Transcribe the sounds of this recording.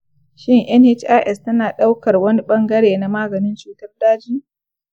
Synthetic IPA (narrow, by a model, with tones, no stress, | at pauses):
ʃɪ˦ŋʔɛ˦nhe˦t͡ʃa˦ʔɛ˦stɐ˦naː˨ɗa˦wkɐ˨rwɐ˦ni˦ɓɐ˦ŋɡɐ˦ɽeː˨na˨maː˦ɡɐ˨nɪ˦nt͡ʃuː˨tɐ˦rdaː˦d͡ʒiː˦